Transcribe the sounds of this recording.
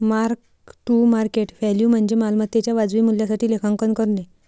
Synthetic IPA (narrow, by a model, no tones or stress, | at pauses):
maɾk | ʈumaɾkeʈʋɛljum̤əɳd͡ʑemalmat̪ːat͡ɕjaʋad͡zʋiːmuljasaʈiːlekʰãŋkənkəɾle